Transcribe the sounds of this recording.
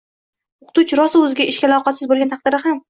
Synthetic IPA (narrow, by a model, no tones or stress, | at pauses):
oqʰʊ̥t̪ʊt͡ʃɾɒsɪɵzɪɡʲaʔɪʃkʲalˠɒqʰɑt̪sɪzbolˠɡʲant̪ʰɑqd̪̥ɪɾɪham